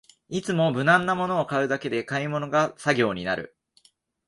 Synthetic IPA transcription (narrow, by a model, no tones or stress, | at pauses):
it͡sɨmo̞bɯ̟nãnːamo̞no̞ːkaɯ̟d̪ake̞d̪e̞kaimo̞no̞ɡasaɡʲo̞ːɲ̟inaɾɯ̟̰